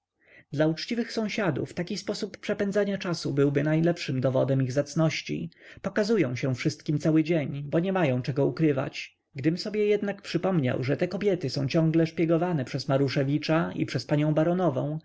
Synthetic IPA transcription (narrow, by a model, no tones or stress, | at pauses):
d̪laut͡ʂt͡ɕivɘxsɔ̃w̃ɕad̪ṵft̪akʲispɔsupːʂɛpɛndzaɲat͡ʂasubɘwbɘnajlɛpʂɘmd̪ɔvɔd̪ɛmiɣzat̪snɔɕt͡ɕḭpɔkazujɔ̃w̃ɕɛfʂɘst̪̚kʲimt̪sawɘd͡ʑeɲbɔɲɛmajɔ̃w̃t͡ʂɛɡɔukɾɘva̰t͡ɕ | ɡd̪ɘmsɔbʲjɛjɛd̪nakpʂɘpɔmɲa̰wʐɛt̪ɛkɔbʲjɛt̪ɘsɔ̃w̃t͡ɕɔ̃ŋɡlɛʂpʲjɛɡɔvanɛpʂɛsmaɾuʂɛvʲit͡ʂaḭpʂɛspaɲɔ̃w̃baɾɔnɔvɔ̰̃w̃